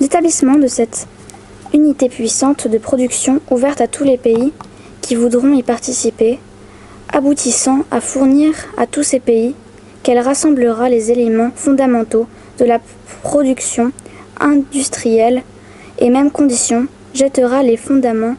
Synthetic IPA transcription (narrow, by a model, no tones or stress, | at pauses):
let̪ablismɑ̃d̪əsɛt̪ | ynit̪epɥisɑ̃t̪d̪əpχɔd̪yksjɔ̃uvɛʁt̪at̪ʰulepei | kʲʰivud̪ʁɔ̃ipaʁt̪isipe | abut̪isɑ̃afuʁniʁa̰t̪usepei | kɛlʁasɑ̃bləʁalezelemɑ̃fɔ̃d̪amɑ̃t̪o | d̪̥əla | pχɔd̪yksjɔ̃ | ɛ̃d̪yst̪χijɛl | emɛmkɔ̃d̪isjɔ̃ | ʒɛt̪əʁalefɔ̃d̪amɑ̃